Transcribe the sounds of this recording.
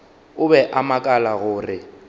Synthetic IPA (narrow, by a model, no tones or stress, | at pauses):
ʊbɛʔamakʼalaɣʊːrɪ